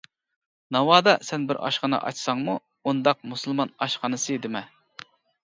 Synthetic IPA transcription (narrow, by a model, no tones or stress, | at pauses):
nɑwɑːd̪ɑsɛnbɪɾɑ̰ʃqɑnɨ̰ʔɑ̰t͡ʃsɑŋmu | und̪ɑq̚musɨlˠmɑnɑʃqɑnɨsɨd̪ɪmɛ